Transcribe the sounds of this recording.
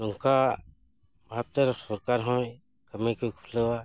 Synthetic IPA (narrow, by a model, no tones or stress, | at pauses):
nɔŋka | bʱap̚t̪eɾsɔɾkaɾɦɔ̃j | kəmekujkʰuləwa